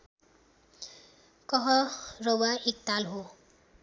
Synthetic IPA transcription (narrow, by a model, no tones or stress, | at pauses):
kʌɦʌrʌwaek̚t̪alɦo